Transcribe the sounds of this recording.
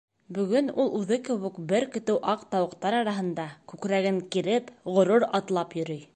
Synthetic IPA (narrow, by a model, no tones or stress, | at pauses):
bɵ̆ɡɵnulˠʉðɤkɘ̆wɘkbɘɾkɵ̆t̪ɘwʔɑqt̪ɑwɤ̆qt̪ɑɾɑɾɑɦɤ̆nd̪ɑkʉkɾæɡɘŋkiɾɘpʁŏɾuɾɑt̪lˠɑpjɵ̆ɾɘj